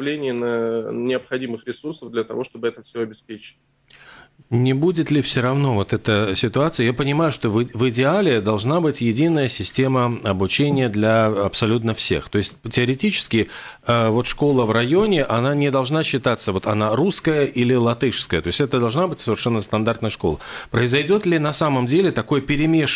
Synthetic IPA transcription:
vlʲenʲɪjɪnənʲɪəpxɐdʲimɨxɾʲɪsursəvd̪lʲət̪ɐvo̞ʂt̪o̞bɨɛt̪əfsʲoɐbʲɪspʲet͡ɕɪ̥tʲ | nʲɪbudʲɪt̪lʲɪfsʲoɾɐvno̞vo̞t̪ɛt̪əsʲɪt̪ʊat̪sɨjəjapənʲɪmajʊʂt̪o̞vɨvɨdʲɪalʲɪd̪ɐlˠʐnabɨtʲjɪdʲinːəjəsʲɪsʲtʲe̞məɐbʊt͡ɕenʲɪjəd̪lʲɐɐpsɐlʲut̪nəfsʲe̞̰xt̪o̞ɪsʲt̚ʲtʲɪəɾʲɪtʲit͡ɕɪ̥skʲɪ | əvo̞t̪ʂko̞lˠəvrɐjo̞nʲɪʔɐnanʲɪd̪ɐlˠʐnaɕːɪt̪at̪sːəvo̞t̪ɐnaɾuskəjəʔilʲɪlˠɐt̪ɨʂskəjət̪o̞ɪsʲtʲɛt̪əd̪ɐlˠʐnabɨtʲsəvʲɪrʂɛnːəst̪ɐnd̪art̪nəjəʂko̞̰lˠəpɾəɪzɐjdʲo̞t̪lʲɪnɐsaməmdʲelʲɪt̪ɐko̞jəpʲɪɾʲɪmʲeʂ

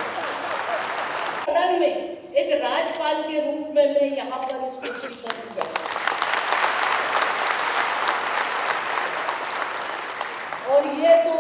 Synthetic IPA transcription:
əɽəɾmẽ | eːkɾaːd͡ʒpaːlkeɾuːpmẽnɐĩjɐɦãpɐʋɪskoːʃɪʃkɐɾk̪ija̰ɦ | ɔːɾjet̪o

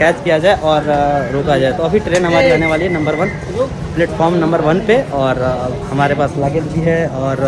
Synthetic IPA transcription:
kɛːt͡ʃkijad͡ʒaːeʔɔːɾːoːkad͡ʒaːet̪oɐbʱiʈɾeːnɦɐmaːɾiɾaːneʋaːliɦɛnɐ̃mbəɾʋɐn | plɛːʈfʰɔːɾmnɐ̃mbəɾʋɐnpeɔːɾ | hɐmaːɾepaːslaːɡelbiɦɛɔːɾ

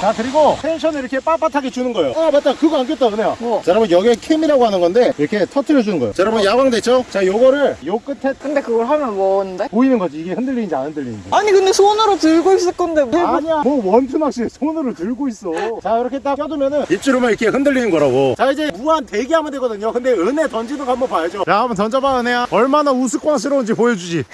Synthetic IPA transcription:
t͡ɕakɯɾiɡotʰenɕʰʌnɯiɾʌkʰe̞p͈ap͈atʰaɡet͡ɕunɯnɡʌjoapat͈akɯɡʌankʰet͈adɯnejot͡ɕaɾabɯnjʌɡiekʰeimiɾaɡoɦanɯnɡʌnde̞iɾʌkʰe̞tʰʌtʰɯɾjʌd͡ʑunɯnɡʌjo̰t͡ɕaɾabɯnjaɡwaŋdwe̞t̚t͡ɕ͈ot͡ɕajoɡʌɾɯɭjok͈ɯtʰe̞kʰɯnd̪e̞kɯɡʌɭɦamjʌnbʌnndepoinɯnɡʌd͡ʑiːɡe̞ɸɯndɯʎːinnd͡ʑianɯndɯʎːinneaɲikɯndesʰonɯɾotɯɭɡois͈ɯɭk͈ʰʌndebaɲiamʌwʌntʰumak̚ɕ͈iesʰonɯɾotɯɭɡois͈ʌt͡ɕaiɾʌkʰe̞t͈ak͈jʌdɯmjʌnɯnit͡ɕ͈uɾomaikʰe̞ɦɯndɯɭʎːinɯnɡʌɾaɡot͡ɕaid͡ʑe̞muante̞ɡiɦamɯndeɡʌdɯɲokɯnde̞ɯne̞tʌnd͡ʑidɯŋɡahambʌnpajʌd͡ʑoaambʌntʌnd͡ʑʌbaɯnejaʌɭmanausʰɯk͈waŋs̬ʰɯɾond͡ʑepojed͡ʑud͡ʑi

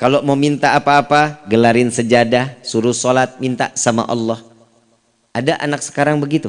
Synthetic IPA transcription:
kalomamint̪aːpaːpaɡəlaɾɪnsəd͡ʒadasuɾusɔlat̪̚mint̪a̰sama̰ʔɑ̰lːɔh | ʔadaʔa̰nak̚sə̥kaɾaŋbəɡit̪u

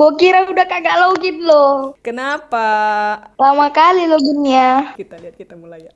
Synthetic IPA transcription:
ɡokiɾaudahkaɡaʔlauɡit̪̚lokənapa | lamakaliloɡunia

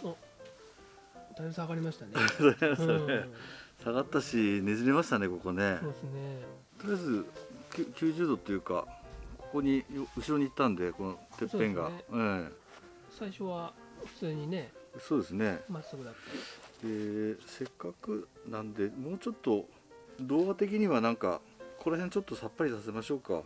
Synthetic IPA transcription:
o | d̪aiosãaɡaɾʲimaɕi̥t̪anzaimaɕanesaɡat̪ːaɕine̞zime̞maɕi̥t̪ane̞ko̞ko̞ne̞oesne | t̪oɾijazɨkʲɨkʲɨːʑɨːd̪o̞t̪ːo̞jɯ̟ːka̰ko̞ko̞ɲ̟ijoɯ̟ɕiɾo̞ɲ̟iːt̪ːãnd̪e̞ko̞not̪e̞pːẽ̞ŋɡa̰ɯ̃ | saiɕoβa | ɸɯ̟̥t͡sɨːɲ̟ineso̞ːd̪e̞sɨne̞masokɯd̪atːaeːse̞kːakɯ̟nãnd̪e̞mo̞ːt͡ɕo̞t̪ːo̞ | d̪o̞ːɡat̪e̞k̬ʲiɲ̟iβanãŋka̰ | kʰo̞ɾahẽ̞nt͡ɕo̞t̪ːo̞sapːaɾʲisase̞maɕo̞ːka̰

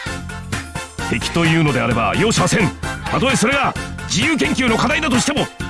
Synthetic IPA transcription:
h̪e̞kʲi̥t̪o̞jɯ̟ːno̞d̪e̞aɾe̞ba̰jo̞ːɕimasẽ̞nt̪at̪o̞eso̞ɾe̞ɡad͡ʑijɯːk̬ẽ̞ŋkʲɨːno̞kad̪aid̪at̪̬o̞ɕi̥t̪e̞mo̞

